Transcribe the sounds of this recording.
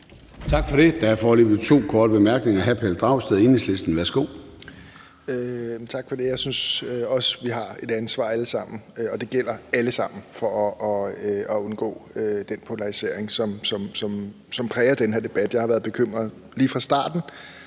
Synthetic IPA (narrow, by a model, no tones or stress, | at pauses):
t͡sʰɑ̈ɡ̥fɒ̽ɾe̝d̥ææfɒːlebð̩ˠt͡sʰo̝̰ːkʰɒːd̥əb̥emæɐɡ̥ne̝ŋɐɦæpʰeld̥ʁɑ̈ʊsd̥eðˠeneslesd̥n̩ʋæɐsɡ̥o̝̰ː | øt͡sʰɑ̈ɡ̥fɒ̽d̥e̝jɑ̈ɪsynsøɒ̽sʋiɦɑ̈e̝d̥ænsʋɑ̰̈æləsɑ̈m̰n̩ɒ̽d̥e̝ɡ̥el̰ɐæləsɑ̈m̰n̩fɒ̽ʔɒøɒ̽o̽nɡ̥ɔ̰ːød̥enpʰo̝lɑ̈ʁise̝ɐ̰eŋsɒ̽msɒ̽msɒ̽m | sɒ̽mpʰʁɛːɪɐd̥enɦe̝ɐ̰d̥e̝b̥æd̥jɑɪhɑʋæːɐðˠb̥e̝kʰøm̰ʁɐðˠ | liːfʁɑ̈sd̥ɑ̰̈ːd̥n̩